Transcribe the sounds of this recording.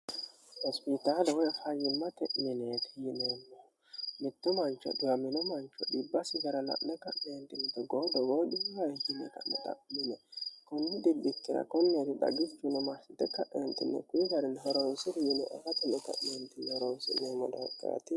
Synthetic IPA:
hɔspɪt̪aːlɐwɔjhɐjɪmːɐt̪ɛʔmɪnet̪ʰɪjɪnemːo | mɪt̪ːɔmɐnt͡ʃːɐ̰d̪ʊɐmɪnɔmɐnt͡ʃːɔd̪ɪbːɐsɪɡɐɾɐlɐ̰ʔnɛkɐʔneːnt̪ɪnt̪ɛɡoːd̪ɔɡoːd̪ɪhɐjhɪnɛ̰kɐ̰nːɛt̪ʼɐ̰ʔmɪnɛkʊnːɪd̪ɪbːɪtːɪɾɐ̰kɔnːeːd̪ɪd̪ɐ̰ɡɪt͡ʃːʊnɛmɐsɪt̪ːɛkɐʔḛːnt̪ːɪnːɛ̰kʊjɪɡɐɾɛnɦɔɾowsɪd̪ɪjɪnɛ̰ʔɛfɐt̪ɛnːɛkɐ̰ʔnent̪ɪnːɛhɔɾowsɪ̰nːemɔd̪ɐkʼːa̰t̪ɪ

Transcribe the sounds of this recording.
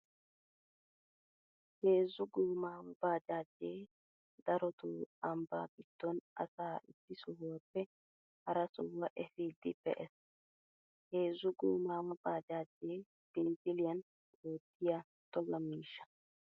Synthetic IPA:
heːzːʊɡuːmaːwʊbaːd͡ʒaːd͡ʒːeː | d̪ɐɾɔt̪ʊɐmba̰ːɡɪd̪̥ːɔnʔɐ̰saːʔɪtːɪsʊhʊwɐpːɛ | hɐɾɐsʊwːɐʔɛfiːd̪ɪpːɛ̰ʔɛs | he̞ːzːʊɡuːmaːwʊbaːd͡ʒaːd͡ʒːeː | b̥ɪnzɪlɪjɐn | oːt̪ʰːɪja | t̪ɔlːɐmiːʃːɐ̥

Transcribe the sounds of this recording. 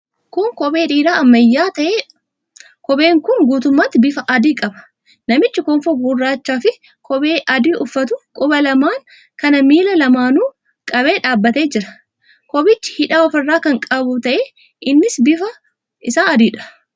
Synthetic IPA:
kʊŋkɔbeːᶑiːᶑaːɐmːɐjːaːt̪ɐʔeː | kɔbe̞ːŋkʊŋɡuːt̪ʊmːaːt̪ːɪbɪfɐʔɐd̪iːkʼɐbɐ̥ | nɐmɪt͡ʃːɪkɔɱfoːɡʊrːaːt͡ʃːaːfɪ | kʰɔbeːʔɐd̪iːʔʊfːɐt̪̬ʊkʼʊbɐlɐmaːŋ | kɐnɐmiːlɐlɐmaːnuː | kʼɐbeːᶑaːbːɐt̪e̞ːd͡ʒɪɾɐ̥ | kɔbɪt͡ʃːɪ̥hɪᶑaːɔfɐrːaːkɐŋkʼɐbʊt̪ɐʔeː | ʔɪnːɪsbɪfɐ | ʔɪsaːɐd̪iːᶑɐ̥

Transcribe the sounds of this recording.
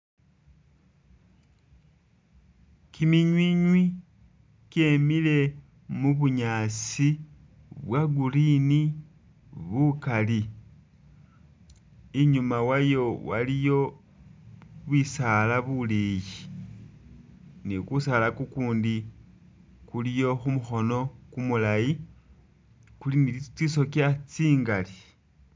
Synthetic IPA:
kimiɲwiɲwi | ce̞mile̞ | muβuɲaːt͡si | βwaɡulini | βukali | iɲumawajo̞wa̰lijo̞ | βwisalaβuleji | nikusalakukuːndi | kulijo̞xumuxo̞no̞kumulaji | kulinit͡siso̞kjat͡siːŋɡali̥

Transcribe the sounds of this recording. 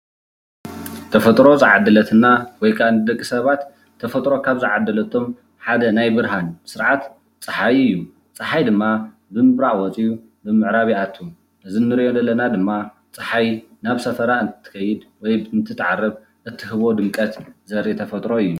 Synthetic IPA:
t̪ʰɐfɐt̪ʼɾo̞zɨʕad̪ːɨlɐt̪ʰɨnːawɔjkʰaɨnɨd̪ɐkʼːisɐβat̪ʰː | ɐfɐt̪ʼɾo̞kʰaβzɨʕad̪ːɐlɐt̪ʰo̞m | ħad̪ɐnajbɨɾɦansɨɾʕat̪ | t͡sʼɨħajɨjːu | t͡sʼɨħajd̪ɨmːa | bɨmɨβɾaʕwɔt͡sʼiu | bɨmɨʕɾaβiat̪ʰːu | nɨzɨnːɨɾʔod̪ɐlːɐnad̪ɨmːa | t͡sʼɨħajnaβsɐfɐɾaɨnt̪ʰɨ̥t̪ʰɨ̥kʰɐjːɪd̪wɔjɨnt̪ʰɨt̪ʰːɨʕarːɐβ | ʔɨt̪ʰːɨɦɨβo̞d̪ɨmkʼɐt̪zɐɾit̪ʰɐfɐt̪ʼɾo̞ɨjːu

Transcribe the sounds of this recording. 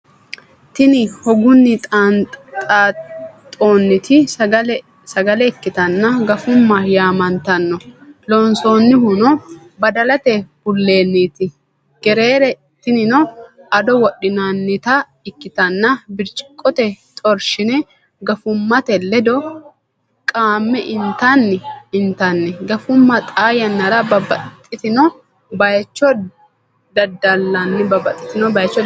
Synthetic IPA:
t̪ɪnɪhɔɡʊnːɪt̪ʼant̪ʼaːt̪ʼo̞ːnːɪt̪ʰɪɐ | sɐɡɐlɛkːɪt̪ɐnːɐɡɐfʊmːɐjaːmɐnt̪ɐnːɔloːnso̞ːnːɪhʊnɔ | bɐd̪ɐlɐt̪ɛb̥ʊlːe̞ːnːiːt̪ɪ | ɡ̥ɛɾe̞ːɾɛ | t̪ɪnɪnɔɐd̪ɔwɔɗɪnanːɪt̪ɐ | ɪkːɪt̪ɐnːɐbɪɾt͡ʃʼɪ̥kʼːɔt̪ɛt̪ʼɔɾʃɪnɛ | ɡɐfʊmːɐt̪ɛlːɛd̪ɔ | kʼaːmːɛʔɪnt̪anːɛɪnt̪anːɛɡɐfʊmːɐt̪ʼaːjɐnːɐɾɐbɐbɐt̪ʼːɪt̪ɪnɔ | bɐjt͡ʃːɔ | d̪ɐd̪ːɐlːanːɪbɐbɐt̪ʼːɪt̪ɪnɔbɐjt͡ʃːɔ

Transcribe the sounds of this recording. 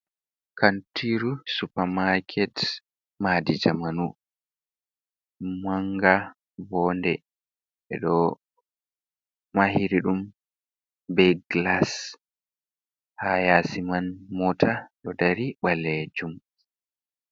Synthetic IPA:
kantiɾusupamakʰɛt | maːdid͡ʒamanu | maŋɡa | bɔndɛ | ɛ̰ɗɔ | maɦiɾiɗum | bɛɡlas | hajasimanmɔtʰaɗɔdaɾiɓalɛd͡ʒum

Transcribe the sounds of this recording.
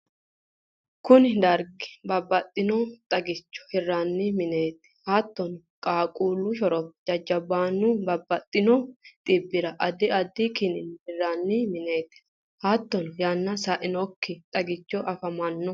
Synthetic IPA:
kʊnɪd̪ɐɾɡɪ̥bɐbːɐt̪ʼːɪnɔt̪ʼɐɡɪt͡ʃːɔ̥hɪrːanːɪmɪne̞ːt̪ɪ̥haːt̪ːɔnɔ | kʼaːkʼuːlːʊʃɔɾɔpd͡ʒɐd͡ʒːɐbːaːnːʊbɐbːɐt̪ʼːɪnɔt̪ʼɪbːɪɾɐʔɐd̪ɪɐd̪ːɪkɪnɪnhɪrːaːnːɪmɪneːt̪ | haːt̪ːɔnɔjaːnːɐsɐʔɪnɔkːɪt̪ʼɐɡɪt͡ʃːɔʔɐfɐmɐnːɔ

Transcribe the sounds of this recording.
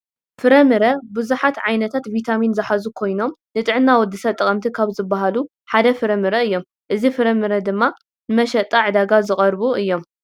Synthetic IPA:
fɨɾɐmɨɾɐbɨzuħat̪ʕajnɐt̪ʰat̪vit̪ʰaminzɐħazukʰo̞jno̞mnɨt̪ʼɨʕɨnːawɔd̪ːɨsɐt̪ʼɐkʼɐmt̪ʰikʰaβzɨbːaɦalu | ħad̪ɐfɨɾɐmɨɾɐɨjːo̞m | ʔɨzifɨɾɐmɨɾɐd̪ɨmːa | nɨmɐʃɐt̪ʼːaʕɨd̪aɡazɨχʼɐɾbuʔɨjːo̞m

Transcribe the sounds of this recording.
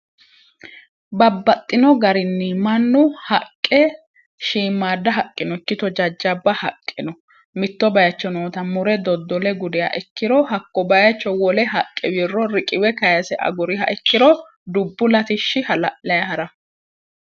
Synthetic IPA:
bɐbːɐt̪ʼːɪnɔɡɐɾɪnːɪmɐnːʊhɐkʼːɛ | ʃiːmːaːd̪ːɐɦɐkʼːɪnɔɪkːɪt̪ɔd͡ʒɐd͡ʒːɐbːɐhɐkʼːɪnɔ | mɪt̪ːɔbɐjɐt͡ʃːɔnoːt̪ɐmʊɾɛd̪ɔd̪ːɔlɛɡʊd̪ɪja̰ʔɛkːɪɾɔhɐkːɔbɐjɐt͡ʃːɔwɔlɛɦɐkʼːɛwirːɔɾɪkʼɪwɛkɐjɐsɛʔɐ̰ɡʊɾɪɦɐ̰ʔɛkːɪɾɔ | d̪ʊbːʊlɐt̪ɪʃːɪhɐlɐʔlɐjɐhɐɾɐ

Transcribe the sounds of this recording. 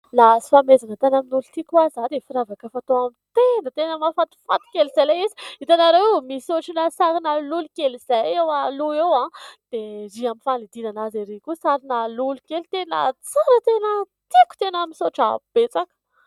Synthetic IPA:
lasi̥famezanət̪enaminulut̪ikʲwazad̪efiɾavakəfat̪oamit̪enət̪enəmafat̪i̥fa̰t̪i̥kʲelizajlajizi̥it̪anaɾewmisoʈ͡ʂinasaɾinalulukeliz̥ajewaluewãd̪̥eɾiaminfanid̪inanazeɾekusaɾinalulukelit̪enə̰t͡saɾət̪enət̪ikʲu̥t̪enamisoʈ͡ʂa̰b̥et͡sakə̥

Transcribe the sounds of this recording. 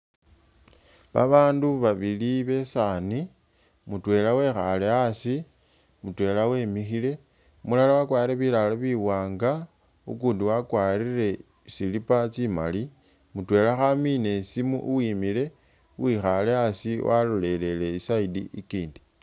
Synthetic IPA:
βa̰βaːnduβaβiliβe̞sani | mutwe̞ːlawe̞xaleasi | mutwe̞lawe̞mixile̞ | mulalawakwaːɾiɾeβilaloβiwaːŋɡa | ṵkuːndiwakwaːɾire̞ | silipat͡sima̰li | mutwe̞laxamine̞simṵʔuwiːmile̞ | uwixaleasiwa̰lole̞le̞le̞isaidḭʔikiːndi̥

